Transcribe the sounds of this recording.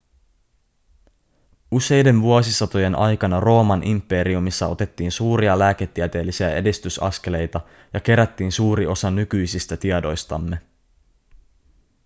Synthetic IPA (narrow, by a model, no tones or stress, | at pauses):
use̞jde̞nʋuosisɑt̪o̞je̞nʔɑjkɑnɑro̞ːmɑnʔimpːe̞ɾiumisːɑo̞t̪e̞t̪ːiːnsuːɾiɑlæːket̪ːiæt̪e̞ːlːisiæe̞dist̪ysɑ̰ske̞le̞jt̪ɑ | jɑk̟e̞ɾæt̪ːiːnsuːɾio̞sɑnykyjsist̪æt̪iɑdo̞jst̪ɑmːe̞